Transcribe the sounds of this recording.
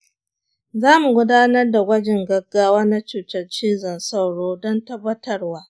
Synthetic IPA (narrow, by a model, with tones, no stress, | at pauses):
zaː˦mu˨ɡʷʊ˦daː˦nɐ˦rda˨ɡʷɐ˦d͡ʒɪ˨ŋɡɐ˦ɡːaː˦waː˦na˦t͡ʃuː˨tɐ˦rt͡ʃiː˦zɐ˨nsɐ˦wɽoː˦dɔ˦ntɐ˦bːɐ˦tʰɐ˦rwaː˦